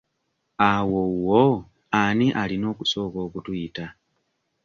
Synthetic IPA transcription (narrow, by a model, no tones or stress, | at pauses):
awowo | aniʔalino̞ːku̥so̞ːko̞ːkutuita